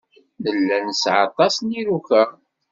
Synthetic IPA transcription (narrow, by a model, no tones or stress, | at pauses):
nəlːænsʕɑ̰t̪ˤɑsniɾukæ